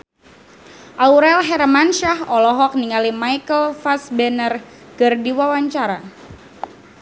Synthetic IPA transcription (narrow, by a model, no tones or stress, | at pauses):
ʔawɾɛlɦɛɾmanʃahɔlɔɦɔk̚niŋalimajkəlfasbɛnər | kərdiwawaɲt͡ʃaɾa